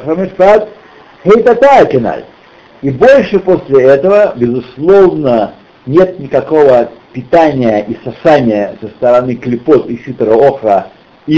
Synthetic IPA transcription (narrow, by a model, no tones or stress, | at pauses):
xəmʲɪʂpat̪ | hejt̪ɐt̪aəkʲɪna̰lʲ | ibo̞lʲʂɨposʲlʲɪɛt̪əvəbʲɪzʊslˠovnə | nʲe̞t̪nʲɪkɐko̞vəpʲɪt̪anʲɪjəʔisɐsanʲɪjəsəst̪əɾɐnɨklʲɪpot̪ɪfʲit̪əɾəoxɾə | i